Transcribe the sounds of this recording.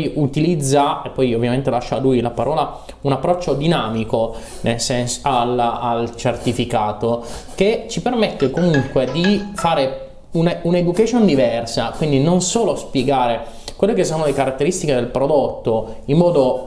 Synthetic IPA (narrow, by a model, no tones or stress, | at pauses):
jut̪ilid̪zːaepːɔjovːjament̪elaʃːalujlapaɾʔɔːla | unapːɾɔt͡ʃːod̪inaːmiko | nelsɛnsalalt͡ʃert̪ifikaːt̪oket͡ʃipermet̪ːekomuŋkwed̪ifaːɾe | unauned̪ukat͡ʃjond̪ivɛrsakwind̪inonsoːlospjeɡaːɾe | kwelːekesːoːnolekaɾat̪ːeɾist̪iked̪elpɾod̪ot̪ːoimːɔːd̪o